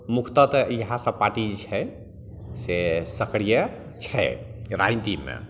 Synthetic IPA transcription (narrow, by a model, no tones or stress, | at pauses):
mukʰt̪ət̪jəɦãsə̃paʈid͡ʒt͡ʃʰɛ | sesəkɽijə | t͡ʃʰɛ̰ɪɾaint̪imːḛ